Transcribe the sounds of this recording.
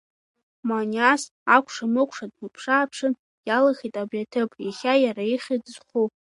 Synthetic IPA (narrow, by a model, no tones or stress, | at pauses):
manas | akʷʰʂamɨkʷʰʼʂadmɨpʰʂaːpʰʂɨn | jalaχitʼabjatʰɨpʼjaχʲajaɾaiχʲidzχu